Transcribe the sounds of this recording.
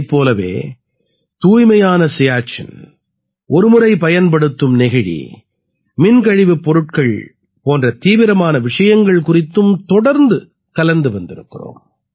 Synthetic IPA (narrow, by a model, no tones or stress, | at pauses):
pːoːlɐʋḛː | t̪uːjmɐjaːnɐsɪjaːt͡ʃɐ̰n | ʔɔɾɯmɯɾɐɪpɐjɐnpɐɽɯt̪ːɯmnɛɣɪɻḭ | mɪnkɐɻɪʋɯpːɔɾɯʈ̚kɐɭ | poːndrɐt̪iːʋɪɾɐmaːnɐʋɪʂɐjɐŋɡɐɭkʊrɪt̪ːɯmt̪ɔɽɐɾnd̪ɯ | kɐlɐnd̪ɯʋɐnd̪ɪɾɯkːɪro̰ːm